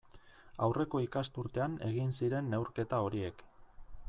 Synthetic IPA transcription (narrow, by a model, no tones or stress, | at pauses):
awre̞ko̞ikast̪uɾt̪e̞ane̞ɣinsiɾe̞nːe̞wɾke̞t̪ao̞ɾie̞k